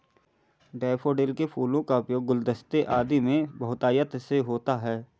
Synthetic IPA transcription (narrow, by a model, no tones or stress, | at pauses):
ɖɛːpoːɖeːlkepʰuːlõkaʊpjoːɡːʊld̪əst̪eʔaːd̪imẽbɐɦʊt̪aːjət̪seɦoːt̪aɦɛː